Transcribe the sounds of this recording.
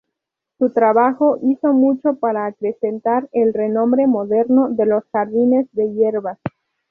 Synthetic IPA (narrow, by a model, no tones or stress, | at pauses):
sut̪ɾaβaxo̞ʔiso̞mut͡ʃo̞paɾaːkɾe̞se̞nt̪aɾelre̞nõ̞mbɾe̞mo̞ðe̞ɾno̞ðe̞lo̞sxaɾðine̞zðe̞jeɾβas